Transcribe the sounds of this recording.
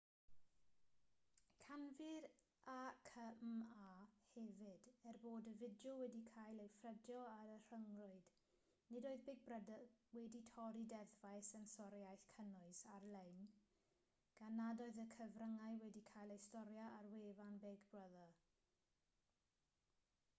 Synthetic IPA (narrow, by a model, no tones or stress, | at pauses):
kʰanvɪɾ | ʔakʰəmahɛvɪdɛrboːdəvɪdjɔwɛdikʰaːjlˠejfrədjɔaɾər̥əŋrʊɨd̥ | nɪdoːɨðbɪɡ̚brədwɛditʰɔɾidɛðvaɨsənsɔɾjajɬkʰənʊɨsarlejn | ɡ̥anadɔɨðəkʰəvrəŋaɨwɛdikʰaːjlˠejstɔɾjaʔarweːvanbeɡbrəðə